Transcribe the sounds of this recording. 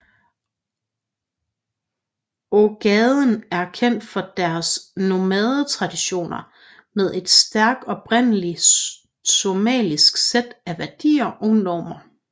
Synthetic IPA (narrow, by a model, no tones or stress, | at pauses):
oɡ̥ɛðˠənæɐkʰen̰d̥fɒ̽d̥æɐsno̝mɛðˠt͡sʰʁɑ̈d̥iɕo̝̰ːnɐ | með̞ˠe̝d̥sd̥æɐɡ̥ɒ̽b̥ʁen̰əli | somɛ̰ːlisɡ̥sed̥æʋæɐd̥ḭːɐʔɒ̽nɒ̰ːmɐ